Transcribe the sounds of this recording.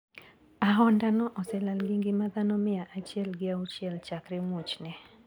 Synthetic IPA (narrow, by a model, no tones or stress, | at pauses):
aɦɔndanɔʔɔsɛlalɡiŋɡɪmaðanɔmɪaʔat͡ʃiɛlɡɪaut͡ʃjɛlt͡ʃakɾɪmʊt͡ʃnɛ